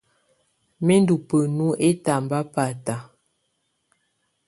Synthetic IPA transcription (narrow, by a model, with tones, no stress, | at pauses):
me˦n˦du˨pə˨nu˦ʔe˦ta˨m˨ba˦pa˨ta˨